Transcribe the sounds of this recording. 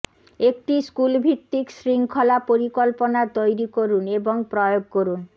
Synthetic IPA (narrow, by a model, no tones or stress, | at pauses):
ek̚ʈiskulbʱit̪ːiksɾiŋkʰolapoɾikolponaɾt̪ojɾikoɾuneboŋpɾɔjoɡ̚koɾun